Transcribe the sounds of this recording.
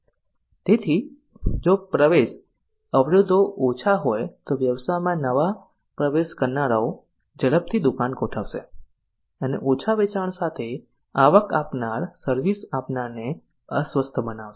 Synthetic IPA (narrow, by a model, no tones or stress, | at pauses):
t̪et̪ʰi | d͡ʒopɾəʋeʃ | əʋɾəd̪ʱoot͡ʃʰaɦojt̪oʋjəʋsajmãnəʋa | pɾəʋeʃkəɾnaɭao | d͡ʒəɭəb̚t̪ʰid̪ukankoʈʰaʋʃe | ənḛʔot͡ʃʰaʋet͡ʃaɳsat̪ʰe | aʋəka̰pnaɾsəɾʋisapnaɾne | əsʋəst̪ʰəbənaʋʃe̥